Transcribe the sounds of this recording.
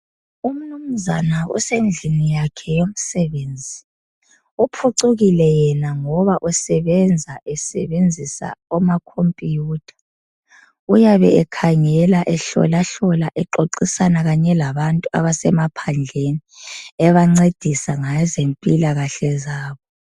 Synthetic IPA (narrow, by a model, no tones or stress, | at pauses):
um̩num̩zanaṵsend͡ɮʱinijakʰɛjom̩sɛβeːnd͡zʱi | upʰuǀuɣilɛjɛnaŋɔβaʔusɛβend͡zʱaʔɛsɛ̰βend͡zʱisa̰ɔmakʰompʼijuːtʰḁ | ujaβɛɛkʰaŋɛlaʔɛɬɔ̰laɬɔlaʔɛǃoǃisanaɣaɲɛlaβantʼua̰βasɛmapʰand͡ɮʱeniɛβaŋ͡ǀed̥ʱisaŋazempʼilaɣaɬɛzaːβɔ